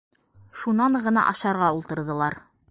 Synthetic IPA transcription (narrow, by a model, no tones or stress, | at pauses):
ʃunɑɴɢɤ̆nɑ̰ʔɑ̰ʃɑɾʁɑulˠt̪ɤ̆ɾðɤ̆lˠɑɾ